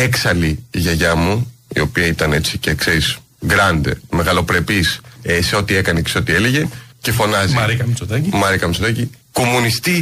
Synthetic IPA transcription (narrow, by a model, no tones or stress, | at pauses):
eksɐliʝɐʝɐmuḭo̞piɐit̪ɐne̞t͡sicekseɾis | ɡɾɐnd̪e̞̰me̞ɣɐlo̞pɾe̞pisese̞o̞t̪ie̞kɐneceso̞t̪ie̞le̞ʝe̞ce̞fo̞nɐziɾikɐmsod̪ɐcimɐɾikɐmisod̪ɐci | ko̞munist̪i